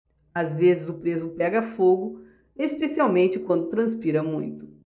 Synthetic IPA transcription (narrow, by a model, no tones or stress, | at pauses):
azvezɪzʊpɾezʊpɛɡɐfoɡʊ | espesiawmẽnt͡ʃɪkwɐ̃nd̪ʊt̪ɾɐ̃spiɾɐmũj̃t̪ʊ̥